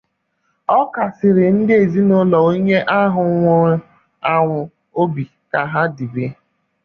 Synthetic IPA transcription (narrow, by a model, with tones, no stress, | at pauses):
ɔ˦ka˨sɪ˨ɾɪ˨n̩˦dɪ˦e˨zi˦no˦lɔ˨o˦ɲe˦ʔa˦ɦʊ˨ŋʷo˦ | a˨ŋʷʊ˨ | o˦bi˨ | ka˨ɦa˦di˨be˦